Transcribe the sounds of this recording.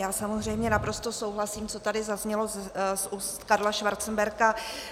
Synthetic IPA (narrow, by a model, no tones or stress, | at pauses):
jaːsamozr̝ɛjmɲɛnapɾo̞st̪o̞so̞wɦlasiːmt͡so̞t̪adɪzazɲɛlo̞zsus | kaɾlaʃvaɾt͡sn̩bɛɾka